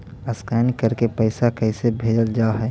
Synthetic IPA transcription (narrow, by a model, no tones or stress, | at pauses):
əskaːnikəɾkepəɪsakɛɪsebʱeːd͡ʒəld͡ʒaːɦɛː